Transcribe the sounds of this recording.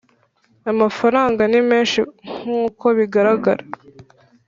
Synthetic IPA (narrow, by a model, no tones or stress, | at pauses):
amafaɾaːŋɡanimeːnʃiŋ̥uːko̞βiɡaɾaɡa̰ɾa